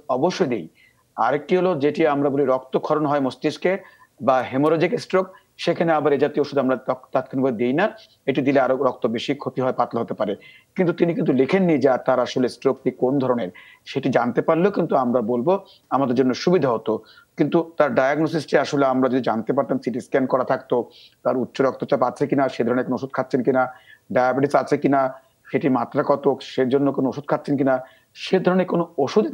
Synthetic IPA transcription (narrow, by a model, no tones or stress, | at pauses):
ɔboʃːojd̪ej | a̰ɾek̚ːiɦolod͡ʑeʈiamɾaboliɾɔk̚t̪okʰɔɾonɦɔemosʈiske | baɦemoɾod͡ʑikesʈɾok | ʃekʰaneabaɾed͡ʑat̪ioʃud̪ʱamɾat̪ɔt̪at̪̚kʰanbaed̪ejna | eʈid̪ileaɾoɾɔk̚t̪obeʃikʰot̪iɦɔepat̪laɦot̪epaɾe | kint̪̬ut̪inikint̪̬ulekʰenːid͡ʑat̪aɾaʃolesʈɾok̚ʈikond̪ʱɔɾoneɾ | ʃeʈid͡ʑant̪epaɾlokint̪uamɾabolbo | amad̪eɾd͡ʑonːoʃubid̪ʱaɦot̪o | kint̪ut̪aɾɖajaɡnos̬isʈiaʃoleamɾad͡ʑod̪id͡ʑant̪epaɾt̪amsiʈiskɛnɖkɔɾat̪ʰak̚t̪o | t̪aɾutːɕoɾɔk̚t̪ot͡ɕapat͡ɕʰekinaʃejd̪ʱɔɾoneɾkonooʃud̪̚kʰat̪ːɕʰenkinaɖajabiʈisat͡ɕʰekina | ʃeʈimat̪ːɾakɔt̪oʃeɾd͡ʑonːokonooʃud̪̚kʰat̪ːɕʰenkina | ʃed̪ʱɔɾoneɾkonooʃud̪